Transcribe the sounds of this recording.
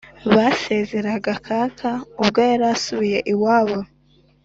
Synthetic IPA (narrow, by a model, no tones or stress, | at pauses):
βase̞ze̞ɾaɡakʰakʰaubɡeːɾasuβije̞ʔiwaːβo